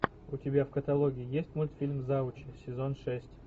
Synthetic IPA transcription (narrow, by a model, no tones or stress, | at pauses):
ʊtʲɪbʲafkət̪ɐlˠoɡʲɪːjesʲtʲmulʲt̪fʲilʲmzaʊt͡ɕɪsʲɪzonʂɛsʲtʲ